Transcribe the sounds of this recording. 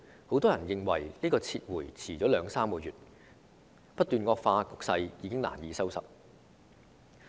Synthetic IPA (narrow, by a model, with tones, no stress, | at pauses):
ho˨˥wt̪ɔː˥jɐ˨˩njɪ˨˧ŋwɐ˨˩jliː˥kɔː˧t͡sʰiː˧t̚wuː˨˩jt͡sʰiː˨˩t͡sɔː˨˥lœː˨˧ŋsaː˥mkɔː˧jyː˨t̚ | pɐ˥t̪̚ːyː˨nkɔː˧k̚faː˧kʊ˨k̚sɐ˧jjiː˨˧kɪ˥ŋla̰ː˨˩njiː˨˧sɐ˥wsɐ̰˨˩t̚